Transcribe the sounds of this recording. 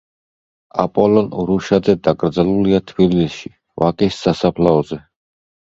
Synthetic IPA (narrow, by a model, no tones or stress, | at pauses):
a̰pʼɔlɔnɾuʃad̪zɛd̪akʼɾd̪zaluliat̪ʰbillisʃi | vakʼisːasapʰlaɔzɛ